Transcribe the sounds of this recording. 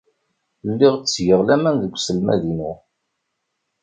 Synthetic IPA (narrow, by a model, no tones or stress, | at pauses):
lːiʁt͡sːjəʁlæmænðəɡʷsəlmæ̰ðinu